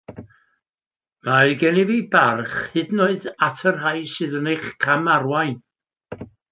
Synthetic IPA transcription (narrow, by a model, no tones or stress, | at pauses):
majɡɛnivibarχhɨdnoɨdatʰərɦajsɨːðənejχkʰamarwajn